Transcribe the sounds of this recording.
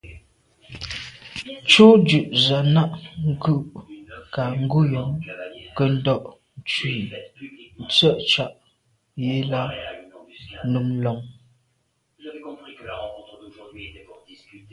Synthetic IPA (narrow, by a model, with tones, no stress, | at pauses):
t͡ʃo˦d͡ʒʉ˨ʔza˨na˦ʔŋ̩˦kʉ˦˨ʔka˨ŋ̩˦ɡu˦jɔ˨˦ŋkə˦n̩˦dɔ˦ʔ | n̩˦t͡ʃwi˦˨n̩˨t͡sə˦˨ʔt͡ʃa˨ʔ | je˦la˦ | nu˨˦m˦lɔ˨ŋ